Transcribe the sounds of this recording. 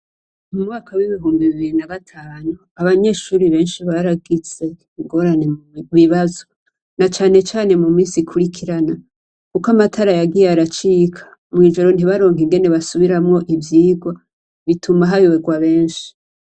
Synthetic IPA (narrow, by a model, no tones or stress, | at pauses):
mumŋaːkʰawiβiɦuːmbiβiβiɾinaɡatʰaːnu | aβaɲe̞ʃuːɾiβe̞ːnʃiβaɾaɡiz̥e̞ | iŋɡo̞ɾane̞βiβazo | nat͡ʃaːne̞t͡ʃaːne̞mumiːnsikʰuɾikʰiɾana | kukamatʰaɾajaɡijeaɾat͡ʃiːkʰḁ | mwiːʒo̞ɾo̞n̥iβaɾoːŋɦiŋɡe̞ne̞βasuβiɾamŋo̞ʔivjiːɡwa | βitʰumaɦaβiweɡwaβe̞ːnʃi̥